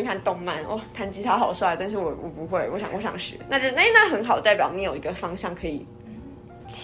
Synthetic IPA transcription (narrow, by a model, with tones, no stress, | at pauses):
kʰa˥˧nt̪ʊ˥˧ŋma˥˩nɔ̰˥˩t̪ʰa˧˥nt͡ɕi˥t̪ʰa˥xɑ˨˩ʊswa˥˩ɪt̪a˥˧nʂ̬ɻ̩˥˩wɔ˨˩wɔ˨˩pu˧˦xwe˥˩ɪwɔ˧˦˥ɕjɑ̰˨ŋwɔ˧˥ɕjɑ̰˨˦ŋʂɻ̩̰˨˧˦na˥˧ʈ͡ʂo˥˩˧a˥˩˦na˥˩xə˧˥nxɑ˨˩ʊt̪a˥˩ɪpjɑ˨˦ʊni˧˥jo˨˩ʊi˧˥ɡə˧fɑ˥ŋɕjɑ˥˩ŋkʰɤ˧˥ḭ˨˩ | t͡ɕʰ